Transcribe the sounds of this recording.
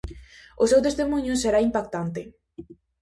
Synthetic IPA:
ʊsewt̪est̪emuɲʊseɾaimpakt̪ant̪ɪ

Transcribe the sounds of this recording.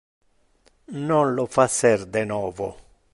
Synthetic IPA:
nɔnlɔfasːɛɾd̪ɛnɔːvɔ̰

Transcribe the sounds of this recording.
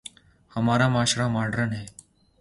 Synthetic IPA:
həmaɾamaʃɾamaɖɾəɳɦe

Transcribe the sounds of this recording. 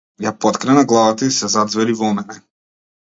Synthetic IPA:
japɔt̪kɾɛnaɡlˠavat̪aisɛzad̪zvɛɾivɔmɛnɛ

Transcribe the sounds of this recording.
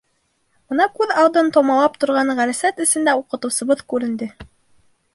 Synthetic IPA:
bɤ̆nɑkʉðɑlˠd̪ɤnt̪omɑlˠɑp̚t̪ŏɾʁɑɴʁæɾɘ̆sæt̪ɘ̆sɘ̆nd̪æuqɤ̆t̪ɤ̆wsɤ̆βɤðkʉɾɘ̆nd̪ɘ

